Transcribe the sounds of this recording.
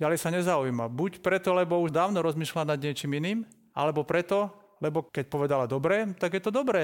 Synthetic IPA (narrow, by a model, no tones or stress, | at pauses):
ɟalɛjsaɲɛzaujmabucpɾɛt̪ɔlɛbɔuʒd̪aːʊnɔɾɔzmiːʃlanad̪ɲɪɛt͡ʃiːminiːm | ʔa̰lɛbɔpɾɛt̪ɔ | lɛbɔkɛc̚pɔʋɛd̪alad̪ɔbɾɛːt̪aɡjɛt̪ɔd̪ɔbɾɛː